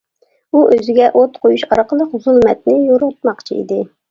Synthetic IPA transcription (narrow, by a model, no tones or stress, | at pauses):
uʔøzɪɡʲɛʔot̪qʰojuʃɑ̰ɾqəlˠəqzulˠmɛt̪̚nɪjoɾɑt̪̚mɑqt͡ʃʰḭḭd̪ɪ